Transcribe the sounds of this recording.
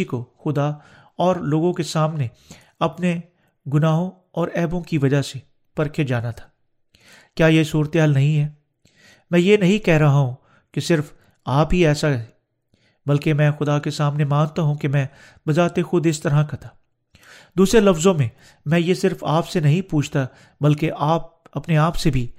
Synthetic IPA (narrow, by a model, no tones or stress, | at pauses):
ikoxʊd̪a | ɔːɾloːɡõkesaːmne | ɐpne | ɡʊnaːɦõ | ɔːɾɛːbõkiʋɐd͡ʒase | pɐɾkʰed͡ʒaːnat̪ʰḁː | kjaːjesuːɾət̪eɦaːlnɐɦĩɦɛː | mɛ̃ːjenɐɦĩkɛɦɾɐɦaɦũ | kesɪɾf | aːpɦiɛːsaɦɛ | bɐlkemɛ̃ːxʊd̪akesaːmnemãːnt̪aɦũkemɛ̃ː | bɐzaːt̪exʊd̪ɪst̪ɐɾɦãkɐt̪aː | d̪uːsɾelɐfzõmẽ | mɛ̃ːjesɪɾfaːpsenɐɦĩpuːt͡ʃʰt̪a | bɐlkeʔaːp̚ɐpneaːpsebʱi